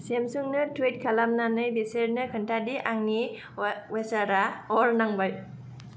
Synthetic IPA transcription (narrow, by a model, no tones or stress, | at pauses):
semsuŋnɯtʰwet̚kʰalamnanɯjbiseɾnɯkʰɯntʰadiʔaŋni | wesaɾaɔɾnaŋbaj